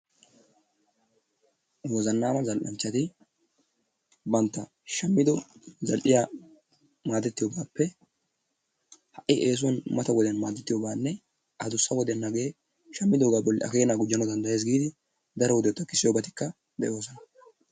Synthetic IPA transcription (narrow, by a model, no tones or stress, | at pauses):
wɔzɐnːaːmɐzɐlʔɐ̰nt͡ʃːɐt̪ɪ | bɐnt̪ːɐ | ʃɐmːɪd̪ɔzɐlʔɪjaː | maːd̪ɛt̪ːɪjoːbaːpːɛ | hɐʔːɪʔeːs̬ʊwɐnmɐt̪ɐwɔd̪ɛnmaːd̪ɛt̪ːɪjoːbaːnːɛ | ʔɐd̪ʊsːɐwɔd̪ɛnːɐɡeː | ʃɐmːɪd̪oːɡaːbɔlːɪ̰ʔɐ̰keːnaːɡʊd͡ʒːɐnɔd̪ɐnd̪ɐje̞ːs̬ɡiːd̪ɪ | d̪ɐɾɔwɔd̪ɛt̪ːɐkɪsːɪjobɐt̪ɪ̥kːɐ | d̪ɛʔo̞ːsɔnɐ